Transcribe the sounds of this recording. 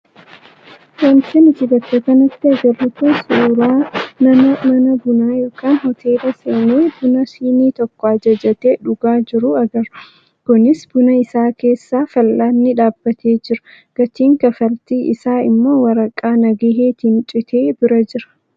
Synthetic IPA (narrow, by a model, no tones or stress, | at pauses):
wɐnsɪnɪt̪ɪɡɐt̪ːekɐnɐt̪ːɪɐɡɐrːɪt̪usuːɾaːnɐɐmɐnɐbʊnaːjoːkaːnhɔt̪ʰe̞ːlɐseːneːbʊnɐsiːniːt̪ɔkːɔɐd͡ʒɐd͡ʒɐt̪eːᶑʊɡaːd͡ʒɪɾʊɐɡɐɾʊ | kʊnɪsb̥ʊnɐɪsaːke̞ːsːaːfɐlːʔaːnːɪᶑaːbːɐt̪ʰe̞ːd͡ʒɪɾʊ̥ | ɡ̥ɐt͡ʃ̪iːŋkɐfɐlt̪iːʔɪ̰saːɪ̰mːo̞ːwɐɾɐkʼːaːnɐɡeɦeːt̪ɪnt͡ʃʼɪt̪ʰe̞ːbɪɾɐd͡ʒɪɾɐ̥